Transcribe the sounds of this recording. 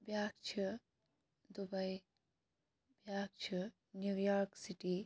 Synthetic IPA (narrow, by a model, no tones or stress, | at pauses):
bjaːkt͡ʃʰi | d̪ubɐj | bjaːk̚t͡ʃʰi | njuːjaːɾksiʈiː